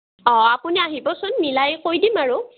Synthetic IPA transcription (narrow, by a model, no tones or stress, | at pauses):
ɔ̃apuniaɦibɔsʊnmilajkojdimaɹʊ